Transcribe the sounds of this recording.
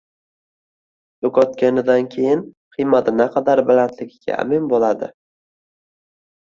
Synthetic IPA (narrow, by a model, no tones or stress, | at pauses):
joqɒt̪̚kʲanɪd̪ankʲʰe̞jɪnqʰɨjmat̪ɪnaqʰɑd̪aɾbɪlant̪ʰlɪɡʲɪɡʲa̰a̰mɪnbolad̪ɪ